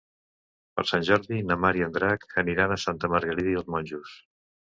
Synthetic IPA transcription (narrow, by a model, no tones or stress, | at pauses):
pə̰ɾsanʲʒɔɾðinəmaɾiənd̪ɾakəniɾanəsant̪əməɾɣəɾiðiəlˠzmɔnʲʒus